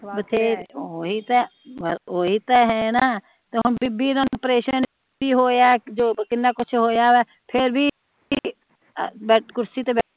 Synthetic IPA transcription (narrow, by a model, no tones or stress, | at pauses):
bət̪ʰeːoːɦit̪ɛ | oːɦiːt̪ɛɦɛ̃naː | t̪eɦʊnbɪbiːɾənpɾeːʃən | biɦoːjad͡ʒoːkɪnːaːkʊt͡ʃʰɦoːjaːʋɛː | pʰɪɾbʱi | bɛːʈkʊɾsiːt̪eːbɛː